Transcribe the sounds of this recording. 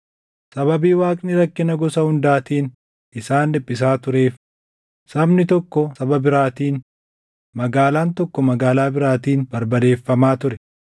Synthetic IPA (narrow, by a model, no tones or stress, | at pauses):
sɐβɐbiːwaːkʼnɪɾɐkːɪnɐɡɔsɐhʊnd̪aːt̪iːn | ɪsaːnlɪpʼːɪs̬aːt̪ʊɾe̞ːf | sɐbnɪt̪ɔkːɔsɐbɐbɪɾaːt̪iːn | mɐɡaːlaːnt̪ɔkːɔmɐɡaːlaːbɪɾaːt̪iːnbɐɾbɐd̪e̞ːfːɐmaːt̪ʊɾɛ